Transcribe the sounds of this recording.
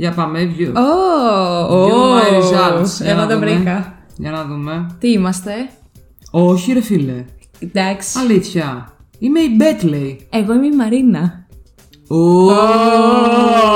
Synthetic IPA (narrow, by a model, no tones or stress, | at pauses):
ʝɐpɐmevʝuo | oizɐlsʝɐnɐd̪ɐvɾikɐʝɐnɐðumet̪iimɐst̪e̞ | oçiɾefile | d̪ɐksi̥ɐliθçɐ | ime̞ibet̪leieɣoimeimɐɾinɐ | o